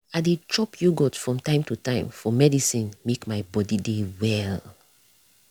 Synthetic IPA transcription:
adet͡ʃɔpʰjuɡɔtfɹɔ̃mtãɪ̃mtutãɪ̃mfɔmɛdisĩnmekmaɪbɔdidewɛl

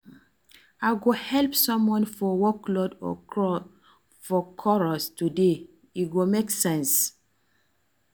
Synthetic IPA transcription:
aɪɡohɛlpsɔ̃mwɔ̃nfɔwɔklɔdɔ̰ɔ | fɔkʰɔɹɔstude | iɡomeksɛ̃ns

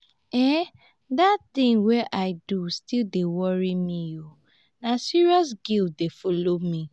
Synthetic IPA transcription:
ɛ | dattĩŋwɛʔaɪdustildewɔɹimĩo | nasiɹiɔs̬ɡildefɔlomi

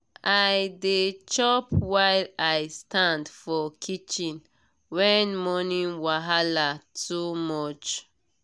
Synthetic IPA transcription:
ajdet͡ʃɔpwajlajstãndfɔkʰit͡ʃĩn | wɛnmɔnĩnwaɦalatʰumɔt͡ʃ

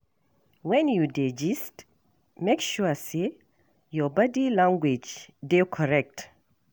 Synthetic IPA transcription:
wɛ̃njuded͡ʒist | mekʃuse | jɔbadilãŋɡwed͡ʒdekʰɔɹɛk̚t

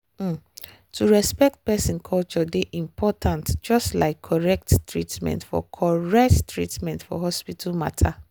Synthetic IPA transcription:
tʰuɹɛspɛk̚t̚pɛsĩnkʰɔlt͡ʃɔdeʔĩmpʰɔtʰãntd͡ʒɔstla̰ɪkʰːɔɹɛk̚ttɹitmɛ̰̃ntfɔ̰kʰɔɹɛk̚ttɹitmɛ̃ntfɔ̰ɦɔspitʰalma̰tʰa

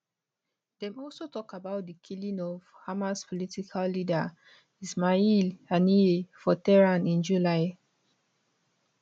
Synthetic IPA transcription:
d̥ɛ̃mɔlsotɔkabaʊt̚dəkʰilĩŋɔvhamaspʰɔlitikʰalːida | ismailaniefɔtɛɹãnĩnd͡ʒulaɪ

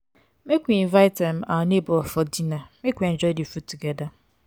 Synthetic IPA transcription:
mekʷinvaɪtɛm̩anebʊɔfɔdinamekʷen̩d͡ʒɔjdifutuɡɛda

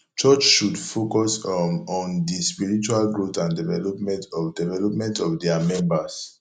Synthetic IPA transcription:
t͡ʃɔt͡ʃʃudfokɔsɔ̃ndispiɹit͡ʃualɡɹotãndivɛlɔpmɛ̃ntɔdɛvɛlɔp̚mɛ̃ntɔvdɛamɛ̃mbas

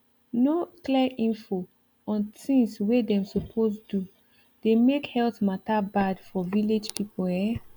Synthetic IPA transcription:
nokliɛʔĩnfo | ɔ̃ntĩŋswedɛ̃msopʰosdu | d̥emekhɛltmatabadfɔviled͡ʒpʰipoɛ

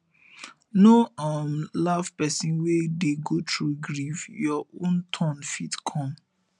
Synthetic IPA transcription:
noamlavpɛsĩnwedeɡotʰɹuɡɹifjɔõntʰɔ̃nfitkʰɔ̃m

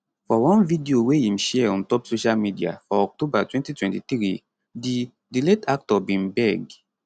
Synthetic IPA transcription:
fɔwɔ̃nvidioweĩmʃɛɔ̃ntɔpsoʃalmidia̰fɔɔk̚tobatwɛ̃ntitwɛ̃ntiθɾi | di | diletak̚tɔbĩnbɛɡ

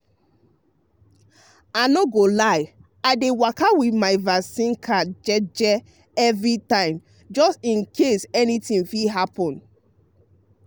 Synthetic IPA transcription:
anoɡolaɪ | aɪdewakawiθmaɪvasĩnkʰad͡ʒɛd͡ʒɛ | ɛvɹitãɪ̃m | d͡ʒɔstĩnkʰesɛnitĩŋfiɦapɔ̃n

